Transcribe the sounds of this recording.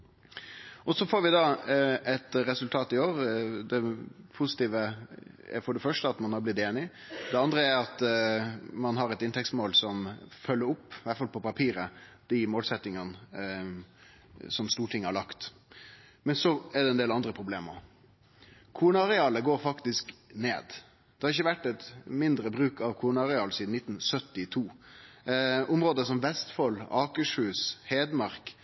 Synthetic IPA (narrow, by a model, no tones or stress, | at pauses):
ɔsɔfoːɾʋɪd̪ɑɛt̪ɾɛsʉlt̪ʰɑːt̪ɪoːɾd̪ɛpʰʊsɪ̥t̪iːʋəɛ̰ɾfɔɖɛfœʂʈəɑt̪mɑnhɑɾblɪt̪ːeːnɪ | d̪ɛɑnd̪ɾəæɾɑt̪ | mɑnɦɑɾɛt̪ɪnt̪ʰɛksmoːlsɔmfœlːəɾʊpːʋæt̪fɑlpʰɔpɑpʰiːɾə | d̪̥ɪmoːlsɛt̪ːɪŋən | sɔmst̪uːʈʰɪŋːəhɑɭɑkt̪ | mɛnsɔɛɖɛɛnd̪eːlɑnd̪ɾəpʰɾʊbleːmə̰ | kʰuːnɑʁɛɑːləɡoːɾfɑkt̪ɪsknḛːd̪ | d̪̥ɛhɑɾɪçːəʋæʈːɛt̪mɪnd̪ɾəbɾʉːkɑʋkʰuːnɑɑʁɛɑːlsiːd̪n̩ɪt̪ːn̩sœt̪ːɪt̪ʰuː | ʔʊmɾoːd̪əsɔmʋɛst̪fɔlɑːkəʂʉːsheːd̪mɑɾk